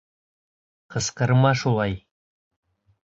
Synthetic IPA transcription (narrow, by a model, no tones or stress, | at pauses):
qʰəsqəɾmɑʃulˠɑj